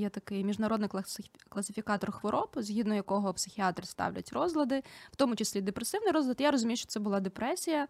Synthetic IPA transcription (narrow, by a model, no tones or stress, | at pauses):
jɛt̪ɐkɪjmʲiʒnɐɾɔd̪nɪklˠɐsʲɪfʲikɑt̪ɔrxʋɔɾʔɔpzʲɦʲid̪nɔjɐkɔɦɔpsɪxʲiɑt̪ɾʲst̪ɑ̰wlʲɐ̰tʲrɔzlˠɐd̪ɪwt̪ɔmʊt͡ʃɪsʲlʲid̪epɾesɪwnɪjɾɔzlˠɐt̪jaɾɔzʊmʲijʊʃt͡ʃɔ̥t̪sɛbʊlˠɑd̪epɾɛsʲijɐ